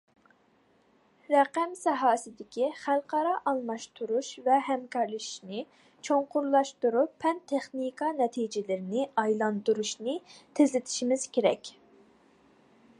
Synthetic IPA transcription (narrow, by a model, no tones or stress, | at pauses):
ɾɛqæmsɛɦɑːsɪd̪ɪkʲʰiχælˠqʰɑɾɑʔɑlˠmɑʃt̪ʰuɾuʃvɛɦɛmkʰɑɾlˠɨʃi̥ʃnɪ | t͡ʃʰoɴqʊɾlˠɑʃt̪uɾupʰːɛnt̪ʰːeχnikʰɑnɛt̪ʰid͡ʒɪlɪɾɪnɪɑjlˠɑnd̪uɾuʃnɪt̪ʰezlɪt̪ʰɪ̥ʃimɪz̥kʲʰeɾɛ̰kʲ